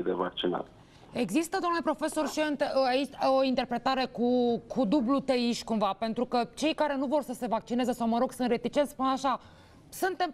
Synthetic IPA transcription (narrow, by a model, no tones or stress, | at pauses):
d̪eva̰k̚t͡ʃina̰t̪ | e̞ɡzist̪əd̪oamnlepɾo̞fe̞so̞rʃiont̪eait͡ʃoint̪e̞rpɾe̞t̪aɾe̞kukʰud̪ublut̪əiʃʲkumvape̞nt̪ɾukət͡ʃe̞jkaɾe̞nuvo̞rsəse̞vak̚t͡ʃine̞zesawməɾo̞ɡ̥sɨnt̪re̞t̪it͡ʃet̪spunaʃa | sunt̪e̞m